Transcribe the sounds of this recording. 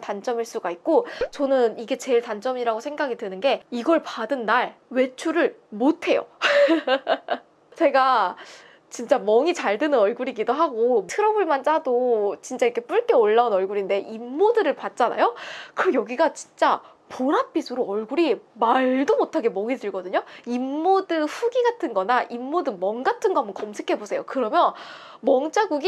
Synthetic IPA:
tant͡ɕ͈ʌmiɭs͈uɡaik̚k͈ot͡ɕʌnɯniɡe̞t͡ɕe̞ɭtant͡ɕ͈ʌmiɾaɡosʰe̞ŋɡaɡitɯnɯnɡe̞iɡʌɭpadɯnːaɭwe̞t͡ɕʰuɾɯɭmotʰe̞jo̰ | t͡ɕe̞ɡa | t͡ɕint͡ɕ͈amʌŋit͡ɕaɭdɯnɯnʌɭɡuɾiɡidoɦaɡotʰɯɾʌbuɭmant͡ɕ͈adot͡ɕint͡ɕ͈aiɾkʰep͈uɭk͈e̞oɭːaunʌɭɡuɾinde̞ʔimːodɯɾɯɭpat̚t͡ɕ͈ana̰jokɯjʌɡiɡat͡ɕi̥nt͡ɕ͈a | poɾap͈isʰuɾoʌɭɡuɾimaɭdomotʰaɡe̞mʌŋidɯɭɡʌdɯɲoimːodɯɸuɡiɡatʰɯnɡʌnaʔimːodɯmʌŋɡatʰɯnɡʌambʌkʌmsʰekʰe̞bosʰe̞jokɯɾʌmjʌn | mʌŋt͡ɕ͈aɡuɡi

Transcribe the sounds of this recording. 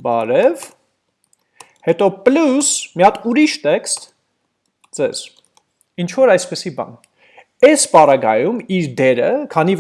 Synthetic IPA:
bɑɾɛv | hɛt̪ɔplusmijɑt̪uɾiʃt̪ɛkst̪ | d͡zɛz̥ | int͡ʃʰvɔɾɑjspəsibɑ̰n | ɛspɑɾɑɡɑjumiɾd̪ɛɾəkʰɑniv

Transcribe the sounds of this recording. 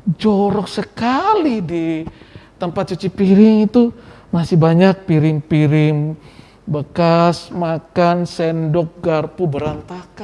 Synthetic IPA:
d͡ʒoɾɔk̚səkalidi | t̪əmpat̪̚t͡ʃut͡ʃipiɾɪŋit̪u | masɪhbaɲak̚piɾɪŋpiɾɪŋ | bəkasmakansɛndɔk̚ɡarpubəɾant̪aka

